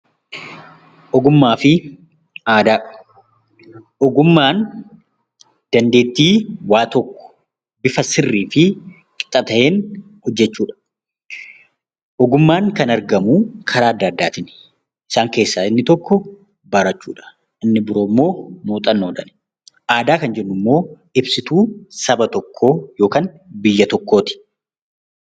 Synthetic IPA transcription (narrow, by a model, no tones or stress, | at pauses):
ʔɔɡʊmːaːfɪ | aːd̪aː | ʔɔɡʊmːaːn | d̪̥ɐnd̪e̞ːt̪ːiːwaːt̪ɔkːɔ̥ | bɪfɐsɪrːiːfɪ | kʼɪ̥t̪ʼːɐt̪ɐʔeːn | hɔd͡ʒːɛt͡ʃːuːᶑɐ̥ | ʔɔɡʊmːaːŋkɐnɐɾɡɐmukʰɐɾaːɐd̪ːɐɐd̪ːaːt̪ɪn | ʔɪsaːŋke̞ːsːaːɪnːɪt̪ɔkːɔ | bɐɾɐt͡ʃːuːᶑɐ̥ | ɪnːɪbɪɾoːmːo̞ːmuːt̪ʼɐnːoːd̪ɐn | ʔaːd̪aːkɐnd͡ʒɛnːʊmːo̞ː | ɪbsɪt̪uːsɐbɐt̪ɔkʰːo̞ːjo̞ːkaːn | bɪjːɐt̪ɔkːo̞ːt̪ɪ̥